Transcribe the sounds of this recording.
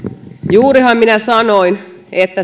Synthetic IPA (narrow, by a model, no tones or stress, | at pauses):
juːɾihɑmminæsɑnoin | et̪ːæ